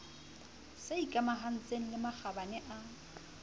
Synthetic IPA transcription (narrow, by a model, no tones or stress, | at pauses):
seikʼamaɦan̩t͡sʼeŋ̩lɪmak͡xabanɛʔa